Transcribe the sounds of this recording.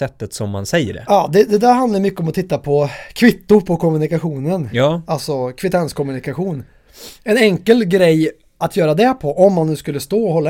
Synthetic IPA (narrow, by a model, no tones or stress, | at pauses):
ɛt̪ːət̪sɔmːa̰nsɛjːə̰ɖɛ̰ɑːd̪ɛd̪ɛd̪æɾɦand̪ajəmʏkːəɔmɔt̪ʰɪt̪ːapʰɔkʰvɪt̪ːʊɾpʰɔkʰɔmːɵnɪkaɧuːnənːalsɔkʰvɪt̪ʰɛnskʰɔmɵnɪkaɧuːn | ɛnɛŋkəlɡɾɛjː | at̪ʰjœːɾad̪ɛpʰɔʔɔmːanːʉ̟ːskɵlːəst̪oːɔhɔlːa